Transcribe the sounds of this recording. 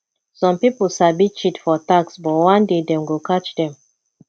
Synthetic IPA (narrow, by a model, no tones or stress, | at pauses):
sɔ̃mpipl̩ˠsabit͡ʃitfɔtaksbɔtwãndedɛ̃mwilkat͡ʃdɛ̃m